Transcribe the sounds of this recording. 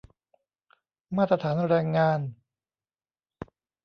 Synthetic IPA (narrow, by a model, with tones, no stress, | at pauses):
maː˥˩t̪ːɾa˧t̪ʰaː˩˦nɾɛː˧ŋːaː˧n